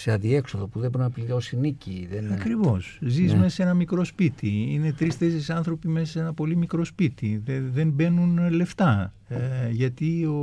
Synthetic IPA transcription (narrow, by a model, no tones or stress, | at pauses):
seɐnðie̞kso̞ðopuðeboɾonɐpliɾo̞siniciðenɐkɾivo̞szizmesɐse̞nɐmikɾo̞spit̪iinet̪ɾist̪esesɐnθɾo̞pime̞sɐse̞nɐpo̞limikɾo̞spit̪ieðe̞mbe̞nunle̞ft̪ɐ | ʝɐt̪io